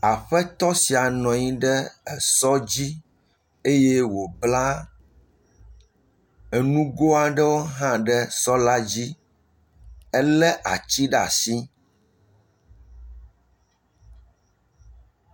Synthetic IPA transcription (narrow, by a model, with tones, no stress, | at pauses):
a˨ɸɛ˦t̪ɔ˦si˨a˨nɔ̃˨ɲĩ˦ɖɛ˦ɛ˨sɔ˦d͡ʑi˦ | e˦je˦wo˨bla˦ | ɛ˨nũ˦ɡo˦a˨ɖɛ˦wo˦ɦã˦ɖɛ˦sɔ˦la˦d͡ʑi˦ | ɛ˦lɛ˦ʔa̰˨t͡ɕi˦ɖa̰˨si˦